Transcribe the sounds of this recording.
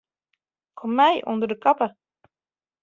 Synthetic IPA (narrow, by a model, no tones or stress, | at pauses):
kʰɔmːæjʔʊ̰nd̪əɾd̪əkɑpə